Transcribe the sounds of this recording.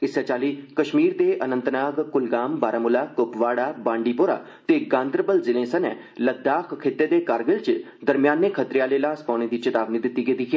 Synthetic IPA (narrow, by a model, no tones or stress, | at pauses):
ɪsat͡ʃaːliːkəʃmiːɾd̪eːʔənə̃nt̪naːɡkʊlɡaːmbaːɾaːmʊlaːkʊpʋaːɽaːbãːɳɖiːpoːɾa̰ː | t̪eːɡãːnd̪ɾbəlzɪlẽːsənɛː | ləd̪aːkʰkʰeːt̪eːd̪eːkaːɾɡəlt͡ʃ | d̪əɾmɪjaːnːeːkʰət̪ɾɪjaːleːlaːspɔːɳ̃eːd̪iːt͡ʃət̪aːbniːd̪ɪt̪ːiːɡed̪iːkia